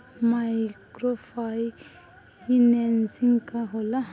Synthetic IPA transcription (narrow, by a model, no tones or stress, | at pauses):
majkɾopʰaj | inensiŋkaɦola